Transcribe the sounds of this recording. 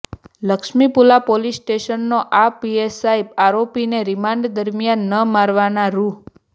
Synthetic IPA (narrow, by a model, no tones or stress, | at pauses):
ləkʃmipulapolisʈeʃənːoʔapiesaibaɾopineɾimaɳɖd̪əɾmijanːəmaɾʋanaɾu